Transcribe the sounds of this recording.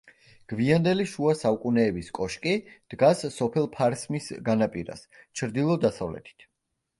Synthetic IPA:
ɡ̥viand̪ɛliʃuasaukʼunɛːbiskʼɔʃkʼid̪̥ɡasːɔpʰɛlˠpʰaɾsmisɡanapʼiɾa̰st͡ʃʰɾd̪ilˠɔd̪asavlɛ̰t̪ʰi̥t̪ʰ

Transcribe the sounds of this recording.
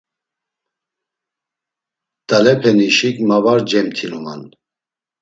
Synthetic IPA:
d̪̥alɛpʰɛniʃikmavaɾd͡ʒɛmt̪ʰiluman

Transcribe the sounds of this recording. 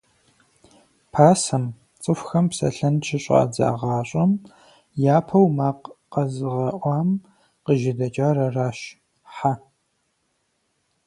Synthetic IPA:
pʰaːsɐm | t͡sʼɨfxɐmpsɐ̰ɬɐnt͡ʃʰɪɕʼa̰ːd͡za̰ːʁɑːɕʼɐm | jaːpʰɐwmaːqqɐzɨʁɐʔʷɑːm | qəʒɪdɐt͡ʃʼaːɾɐraːʃ | ħa

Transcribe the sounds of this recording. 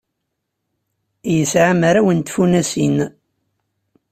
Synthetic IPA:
jəsʕamaɾawənt̪funæsin

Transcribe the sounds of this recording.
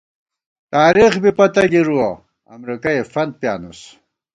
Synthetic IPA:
t̪aːɾixbipɐt̪ɐɡiɾuwa | ɐ̰mɾikajefɐnd̪̚pjaːnus

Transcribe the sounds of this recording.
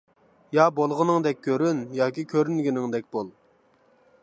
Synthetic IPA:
jɑbolˠʁənɨŋd̪ɛk̚ʲʰːøɾynjɑːkʲikʲʰøɾynɡʲinɪŋd̪ɛk̚ʲbolˠ

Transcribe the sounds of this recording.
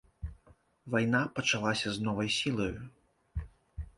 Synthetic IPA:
vajn̪apɐt͡ʂalˠasʲɐznɔvɐjsʲilˠɐju

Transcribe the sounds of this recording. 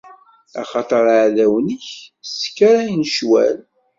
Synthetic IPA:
æ̰χɑt̪ˤəɾˤaʕðæwniçskːaɾæjnʃwæ̰l

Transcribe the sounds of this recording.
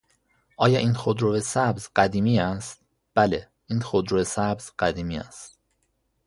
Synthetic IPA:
ʔɒːjɒːʔiːnxod̪ɾovesæbzɢæd̪iːmiːæst̪̚ | b̥æle | iːnxod̪ɾoesæbz̥ɢæd̪iːmiːæ̰st̪

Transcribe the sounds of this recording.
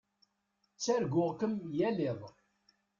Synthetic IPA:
t͡sːæɾɡʷʊʁkəmjælɪðˤ

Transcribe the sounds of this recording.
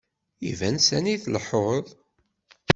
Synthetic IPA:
ḭvænsæniθləħoʁˤəðˤ

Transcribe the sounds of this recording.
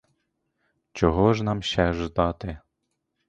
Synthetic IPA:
t͡ʃɔɦɔʒnɑmʃɛʒd̪ɑt̪ɪ

